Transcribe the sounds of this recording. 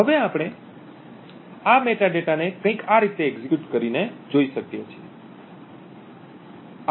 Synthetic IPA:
ɦəʋeapɽ̃e | ameʈaɖeʈanekə̃ĩkaɾit̪eːɡzikjuʈkəɾined͡ʒoiʃəkjet͡ʃʰie

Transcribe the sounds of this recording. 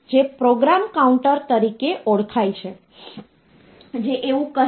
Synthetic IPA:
d͡ʒepɾoɡɾamkauɳʈəɾt̪əɾikeʔoɭkʰajt͡ʃʰe | d͡ʒeʔeʋũkə

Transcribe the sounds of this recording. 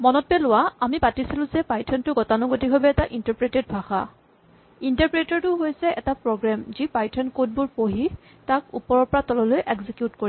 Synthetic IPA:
mɔnɔt̚bɛlʊwaamipatisilʊ̃zɛpajtʰɔntʊɡɔtanʊɡotiɦɔbɛːtaʔintaɹpɹeted̚bʱaxa̰ | intaɹpɹetɔɹtʊɦojsɛɛtapɹɔɡɹamzipajtʰɔnkod̚bʊɹpoɦi | takupɔɹɔɹpɔɹatɔlɔlojʔɛɡzikjutkoɹi

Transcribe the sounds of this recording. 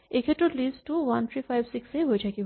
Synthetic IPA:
ekeʈuʈliːsʈuːʋɐnt̪ʰɾiːfaɪʋsɪkseɦod͡ʒaki

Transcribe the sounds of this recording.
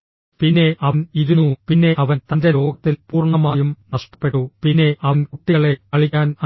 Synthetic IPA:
pinːe̞ʔɐniɾunupinːe̞ʔɐʋɐnt̪ɐnde̞lo̞ːɡɐt̪ːilpuːrɳɐmaːjumnɐʂʈɐ̥pːe̞ʈːupinːe̞ʔɐɐnkuʈːiɐɭe̞ɐɭikːaːnɐ

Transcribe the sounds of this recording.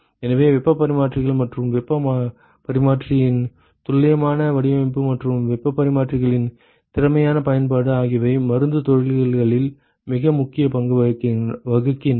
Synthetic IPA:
ɛnɐʋeːʋɛpːɐpːɐɾɪmaːʈrɪɣɐɭmɐʈrɯmʋɛpːɐ | pɐɾɪmaːʈrɪjɪn | t̪ʊɭːɐjɐmaːnɐʋɐɽɪʋɐɐpːɯmɐʈrɯmʋɛpːɐpːɐɾɪmaːʈrɪɣɐɭɪn | t̪ɪɾɐmɐjaːnɐpɐjɐnpaːɽɯaːɣɪʋɐɪmɐɾɯnd̪ɯt̪ɔɻɪɭɐɭɣɐɭɪl | mɪɣɐmʊkːɪjɐpɐŋɡɯʋɐkːʋɐɣɯkːɪn

